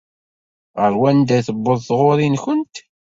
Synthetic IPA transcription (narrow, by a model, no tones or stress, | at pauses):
ʁəɾwænd̪æθəbːəðˤθʁoɾˤinçənt̪